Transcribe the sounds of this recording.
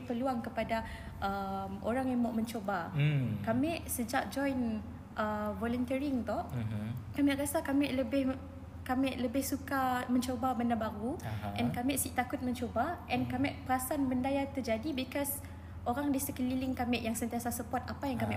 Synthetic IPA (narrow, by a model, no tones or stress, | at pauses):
pəluaŋkəpada | ʔəmʔo̰ɾaŋamaʔmə̃ɲt͡ʃobakamɛʔsəd͡ʒak̚d͡ʒɔjn | ʔəvɔlənt̪əɾiŋt̪ɔ | kamɛ̃ʔɾasakamɛʔləbɪh | kamɛʔləbɪhsukamə̃ɲt͡ʃobabandabaɾuʔɛ̃nkamɛ̃ʔsiʔ̚t̪akʊt̪̚mə̃ɲt͡ʃobaʔɛ̃nkamɛʔpəɾasanbəndajat̪ərd͡ʒadibikɔs | ʔoɾaŋdisəkəlilɪŋkamɛʔjaŋsənt̪iasasəpɔt̪apajaŋkamɛ̰̃ʔ